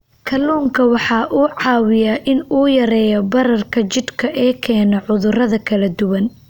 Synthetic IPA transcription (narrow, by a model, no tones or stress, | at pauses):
kʰɐluːŋkʰɐwɑħɑːʔuːʕɑːwɪjaʔɪnuːjɐɾɛːjɔbɐɾɐrkʰɐt͡ʃɪd̪kʰɐʔɛːkʰɛːnɔʕʊðʊrɐðɐkʰɐlɐd̪ʊwɐn